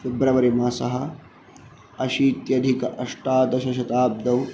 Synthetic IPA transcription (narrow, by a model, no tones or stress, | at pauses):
ɪbɾɐʋɐɾimɐsɐɦɐ̆ | ɐʃiːt̪jɐd̪ʱikɐʔɐʂʈaːd̪ɐʃɐʃɐt̪aːb̚d̪ɐw